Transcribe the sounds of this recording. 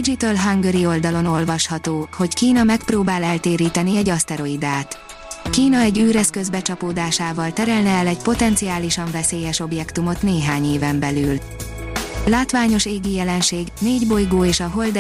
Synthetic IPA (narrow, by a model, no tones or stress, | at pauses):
id͡ʒit̪ɒlɦaŋɡøɾio̞ld̪ɒlo̞no̞lvɒʃhɒt̪oːho̞ckiːnɒmɛkproːbaːlɛlt̪eːɾiːt̪ɛniɛɟɒst̪ɛɾo̞id̪aːt̪ | kiːnɒɛɟyːɾɛskø̞zbɛt͡ʃɒpoːd̪aːʃaːvɒlt̪ɛɾɛlnɛɛlɛcpo̞t̪ɛnt̪sijaːliʃɒɱvɛseːjɛʃo̞bjɛkt̪umo̞t̪neːɦaːɲeːvɛmbɛlyːl | laːt̪vaːɲo̞ʃeːɡijɛlɛnʃeːɡneːɟbo̞jɡoːeːʃɒɦo̞ld̪